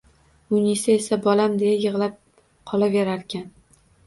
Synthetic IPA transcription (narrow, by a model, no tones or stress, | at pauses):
ʊnʲisaesabɒlamd̪ejajɨʁlap̚ | qʰɒlaveɾaɾkʲʰan